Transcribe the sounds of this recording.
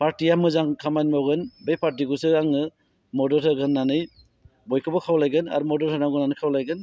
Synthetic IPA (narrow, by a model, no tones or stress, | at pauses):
pʰaɾtijamɯzaŋkʰamanmawɡɯnbejpʰaɾtiɡusɯaŋɯ | mɔdɔtʰɯɡɯnːanɯj | bɔjkʰɯbɔkʰawlajɡɯna̰ɾumɔdɔɾtʰanaɡɯnanɯkʰawlajɡɯn